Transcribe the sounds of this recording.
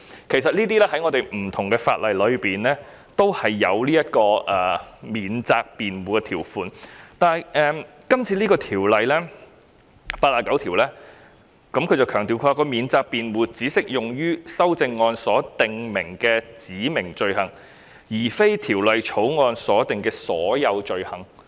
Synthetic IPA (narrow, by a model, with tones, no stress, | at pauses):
kʰe˨˩js̬ɐ˨t̚liː˥t̪̬iː˥lɛː˥hɐ˨˥jŋɔː˧t̪e˨jm̩˨˩t̪ʰʊ˨˩ŋkɛː˧fa̰ː˧t̚lɐ˨jlɵ˨˧ɥpiː˨nlɛː˥ | t̪o˥whɐ˨jːɐ˨˧wliː˥jɐ˥t̚kɔː˧ʔɛː˨˩miː˨nt͡saː˧k̚piː˨nwuː˨˩kɛ˧t̪ʰiː˨˩wfuː˨˩nt̪aː˨n˨jʔɛː˧m | kɐ˥mt͡sʰiː˧liː˥kɔː˧t̪ʰiː˨˩wlɐ˨jlɛː˥ | paː˧aː˨˧kɐ˨˥wt̪ʰi˨˩wlɛː˥ | kɐ˨˥mkʰɵ˧jt͡sɐ˨wkʰœː˨˩ŋt̪iː˨wkʰaː˧kɔ˧miː˨˧nt͡saː˧k̚piː˨nwuː˨˩t͡siː˨˥sɪ˥k̚jʊ˨ŋjyː˥sɐ˥wt͡sɪ˧ŋːɔː˧nsɔː˨˥t̪ɪ˨ŋmɪ˨˩ŋkɛː˧t͡siː˨˥mɪ˨˩ŋt͡ʃɵ˨ɥhɐ˨˩ŋ | jiː˨˩fe˥jt̪ʰiː˨˩wlɐ˨jt͡ʃʰo˨˥wŋɔː˧nsɔː˨˥t̪ɪ˨ŋkɛː˧sɔː˨˥jɐ˨˧wt͡ʃɵ˨ɥhɐ˨˩ŋ